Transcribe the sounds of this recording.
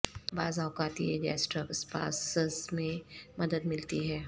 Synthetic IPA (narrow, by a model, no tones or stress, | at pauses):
baːzaːwkaːt̪ḭɛd͡ʒɛ̰ːsʈɾəkəspa̰ːssmẽmɐd̪əd̪mɪlt̪iɦɛː